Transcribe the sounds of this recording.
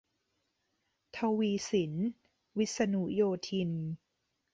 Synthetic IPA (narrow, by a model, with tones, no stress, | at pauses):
t̪ʰa˧wiː˧si˩˦n | wi˦˥t̪̚sa˧nu˦˥joː˧t̪ʰi˧n